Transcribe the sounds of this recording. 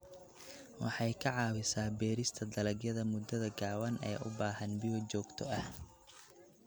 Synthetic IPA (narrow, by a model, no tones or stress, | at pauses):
wɑ̰ħɑjkʰɐʕɑːwɪsaːbɛːɾɪst̪ʰɐd̪ɐlɐɡjɐðɐmʊd̪ɐðɐɡaːwɐnɛ̰ːʔʊ̰baːɦɐnbɪjɔt͡ʃɔːɡt̪ʰɔɐh